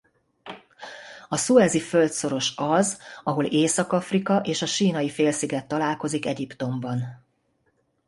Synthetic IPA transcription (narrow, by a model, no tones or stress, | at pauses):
ɒsuɛzifølt̪so̞ɾo̞ʃɒzɒɦo̞leːsɒkɒfrikɒʔeːʃɒʃiːnɒjifeːlsiɡɛt̪ːɒlaːlko̞zikɛɟipt̪o̞mbɒn